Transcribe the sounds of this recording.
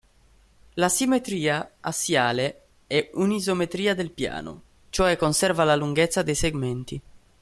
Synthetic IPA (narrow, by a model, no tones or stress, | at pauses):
lasimet̪ɾiːaasjaːle | ɛunizomet̪ɾiːad̪elpja̰ːno̰ | t͡ʃoɛkːonsɛrvalaluŋɡɛt̪sːad̪ejseɡmɛnt̪i